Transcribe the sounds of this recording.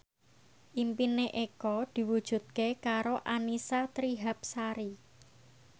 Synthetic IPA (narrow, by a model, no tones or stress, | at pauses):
ʔimpineʔekɔd̪̥i̤wud̥ʒ̥ṳt̪̚kekaɾoʔanisat̪ɾiɦap̚saɾi